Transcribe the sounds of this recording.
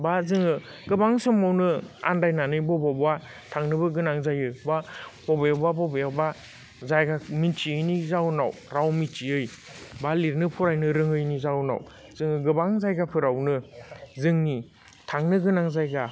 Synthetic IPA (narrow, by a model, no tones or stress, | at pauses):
bazɯŋɯɡɯbaŋsɔmawnɯa̰ndajnanɯjbɔbabwa | tʰaŋnɯbɯɡɯnaŋzajɯbabɔbejawbabɔbejawba | zajɡamint͡ʃiɯjnizawna̰w | ɾawmit͡ʃiɯj | baliɾnɯpʰɔɾajnɯɾɯŋɯjnizawna̰w | z̥ɯŋɯɡɯbaŋzajɡapʰɯɾawnɯzɯŋni | tʰaŋnɯɡɯnaŋzajɡa